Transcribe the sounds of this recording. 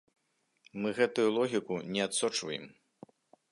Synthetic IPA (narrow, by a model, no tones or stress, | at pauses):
mɨɣɛt̪ujulˠɔɣʲikunʲɛat̪sɔt͡ʂvɐjɛ̰m